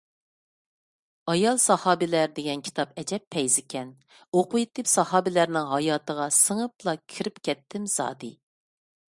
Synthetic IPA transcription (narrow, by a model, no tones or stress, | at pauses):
ɑjɑlˠsɑhɑːbɪlæɾd̪eɡʲɛnkʲʰi̥t̪ʰɑpɛd͡ʒɛpʰːɛjzɪkʲɛn | oqʊjit̪ɨpsɑhɑːbɪlæɾnɪŋɦɑjɑːt̪əʁɑsəŋəp̚lˠɑkʲʰiɾɪpkʲʰɛt̪ʰːɪmz̥ɑ̰ːd̪ɨ